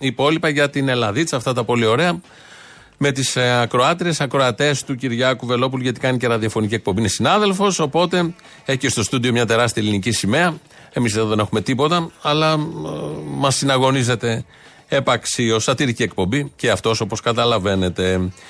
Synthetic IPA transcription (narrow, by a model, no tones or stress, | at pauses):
ipo̞lipɐʝɐt̪inelɐðit͡sɐft̪ɐt̪ɐpo̞lio̞ɾe̞ɐ | me̞t̪isɐkɾo̞ɐt̪ɾie̞sɐkɾo̞ɐt̪e̞st̪uciɾʝɐkuve̞lo̞p̬uluʝet̪i̥kɐniceɾɐðiɐfonicie̞k̚pobinesinɐðe̞lfo̞so̞po̞t̪e̞ | eçcest̪o̞st̪uðio̞mɲɐt̪e̞ɾɐst̪iɐlinicisime̞ɐ | e̞misðeðoðe̞ne̞xume̞t̪ipo̞t̪ɐɐlɐ | mɐsːinɐɣo̞nize̞t̪e̞ | epɐksiost̪ɐt̪iɾicie̞k̚po̞mbiceɐft̪o̞so̞po̞skɐt̪ɐlɐve̞ne̞t̪e̞